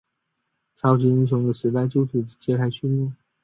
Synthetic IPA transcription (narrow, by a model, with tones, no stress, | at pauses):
t͡sʰɑ˧˥ʊt͡ɕʰi˧˥i˥ŋɕ̬ʊ˧˥ŋd̪ə˧ʂɻ̩˧˥t̪a˥˧ɪt͡ɕjo˥ʊʈ͡ʂʰu˧˥t͡ɕjɛ˥kʰa˧˥ɪt͡ɕʰy˥mi˥˩